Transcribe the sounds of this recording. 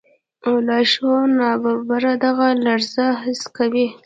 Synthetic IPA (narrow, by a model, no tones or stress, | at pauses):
olɑʃonɑbaɾbaɾad̪aɣalaɾzaɦɪskawi